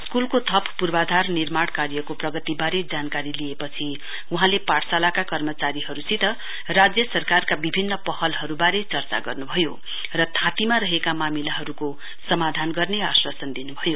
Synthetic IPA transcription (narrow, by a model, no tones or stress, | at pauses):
skulkot̪ʰʌppurbad̪ʱarnirmaɽkaɾjʌkoprʌɡʌt̪ibaɾed͡zankaɾiliepʌt͡sʰi | uɦãlepaʈʰsalakakʌrmʌt͡saɾiɦʌɾusit̪ʌ | rad͡zjʌsʌrkarkabibʱinːʌpʌhʌlɦʌɾubaɾet͡sʌrt͡sa̰ɡʌrnubʱʌjo | rʌt̪ʰãt̪imaɾʌɦekamamilaɦʌɾuko | sʌmad̪ʱanɡʌrneaswʌsʌnd̪inubʱʌjo